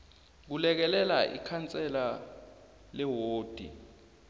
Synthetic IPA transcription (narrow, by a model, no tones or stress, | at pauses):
k̬ulɛk̬ɛlɛlaʔḭkʰant͡sʼɛla | lɛwoːd̥ʱḭ